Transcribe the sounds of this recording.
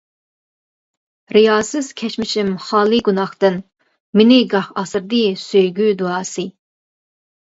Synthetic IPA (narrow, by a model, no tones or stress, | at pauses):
ɾijɑːsɨz̥kʲʰɛt͡ʃmɪʃimχɑːlˠɨɡunɑχt̪ɨn | mɪnɪɡɑχɑsɾd̪ɨsøjɡʲyd̪uɑːsɨ